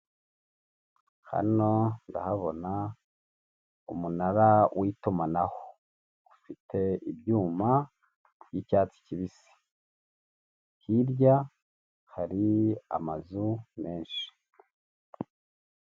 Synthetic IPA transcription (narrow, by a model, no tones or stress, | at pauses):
ha̰no̞nda̰haβo̞na | umunaɾawʔiːtumanaho | ufitʰe̞ibjuːma | jicaːt͡si̥ciβisi̥ | hiɾɟa | haɾia̰mazume̞ːnʃi̥